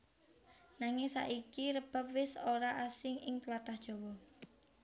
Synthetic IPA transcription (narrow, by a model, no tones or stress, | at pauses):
naŋɪŋsa̰ʔikiɾəb̥a̤p̚wɪsoɾaʔasɪŋɪŋt̪əlat̪ahd̥ʒ̥ɔwɔ